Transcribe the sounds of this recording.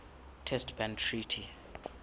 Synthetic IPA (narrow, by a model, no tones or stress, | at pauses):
tʰɛstb̥ãntʰritʰi